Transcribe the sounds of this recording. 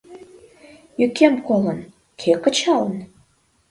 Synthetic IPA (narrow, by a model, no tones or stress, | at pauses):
jykʲemkolən | kʰekə̆t͡ɕɑlən